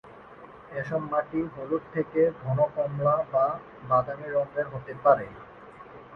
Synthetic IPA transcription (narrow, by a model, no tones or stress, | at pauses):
eʃɔbmaʈiboluɾ̚t̪ʰːeked̪ʱɔnokɔmlaba | bad̪amiɾɔmbeɾɦot̪epaɾe